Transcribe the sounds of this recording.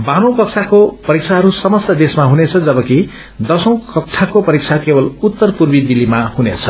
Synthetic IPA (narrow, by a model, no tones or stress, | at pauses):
banõw̃kʌk̚t͡sʰakopʌɾik̚t͡sʰaɦʌɾusʌmʌst̪ʌd̪esmaɦunet͡sʰʌd͡zʌbʌki | d̪ʌsʌ̃w̃kʌk̚t͡sʰakopʌɾik̚t͡sʰakebʌlut̪ːʌrpurbid̪ilimahunḛt͡sʰʌ